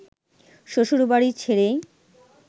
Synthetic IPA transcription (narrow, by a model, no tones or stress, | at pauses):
ʃoʃuɾubaɽit͡ɕʰeɾe